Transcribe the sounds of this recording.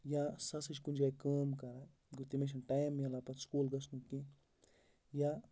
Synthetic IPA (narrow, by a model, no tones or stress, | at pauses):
jasasɨʃkund͡ʒajkəmkaɾa | ɡut̪imeʃ̬ənʈajmjalapaskulɡasnũkĩ | ja